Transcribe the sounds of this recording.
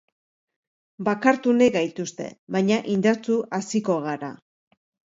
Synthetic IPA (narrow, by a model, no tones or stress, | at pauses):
bakaɾt̪uneɡajt̪ust̪e̞̰βaɲaʔind̪aɾt͡suasiko̞ɣaɾa̰